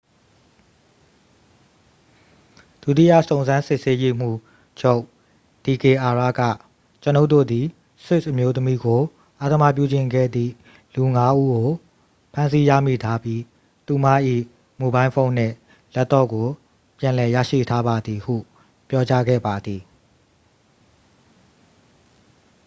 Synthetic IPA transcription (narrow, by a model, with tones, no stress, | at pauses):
d̥u˦˨tḭ˦˨ja̰˦˨sõ˨ʊ̃nzã˦nsɪ˦ʔse˦je˦m̥ṵ˦˨ | d͡ʑo˦ʊʔ | d̥i˨ke˨ʔa˨ɹa̰˦˨ɡä̰˦˨ | t͡ɕəno˦ʊtːo̰˦˨d̪i˨ | swɪ˦˨sʔə˨mjo˦t̪əmi˦ɡo˨ | ʔa˦d̪əma̰˦˨p̬jṵ˦˨d͡ʑɪ̃˨ŋɡɛ̰˦˨d̪ðḭ˦˨ | lu˨ŋa˦ʔu˦ɡo˨ | pʰã˦ns̬i˦jä̰˦˨mḭ˦˨tʰa˦pji˦ | t̪u˨ma̰˦˨ʔḭ˦˨ | mu˨bã˦ɪ̃fʰõ˦ʊ̃n̥ɪ̰̃˦˨ | lɛ˦t̪ːɔ̰˦˨ɡo˨ | pjã˨lɛ˨ja̰˦˨ʃḭ˦˨tʰa˦ba˨d̪i˨hṵ˦˨ | pjɔ˦t͡ɕa˦ɡɛ̰˦˨ba˨d̪ði˨